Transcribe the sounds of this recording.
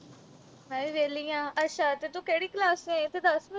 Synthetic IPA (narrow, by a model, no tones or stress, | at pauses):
mɛ̃ːʋeːliːãːʔətːʃʰaːt̪eːt̪õːkɛːɽiːklaːsẽt̪ed̪əsmə